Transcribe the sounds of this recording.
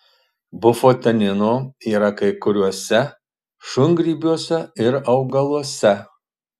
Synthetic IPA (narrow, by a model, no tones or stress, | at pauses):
bʊfot̪ʲɐnʲɪnoiːɾɐkɐɪkʊɾʲuɔsʲɛ | ʃʊŋɡɾʲiːbʲuɔsʲɛɪɾɐʊɡɐlˠuɔsʲɛ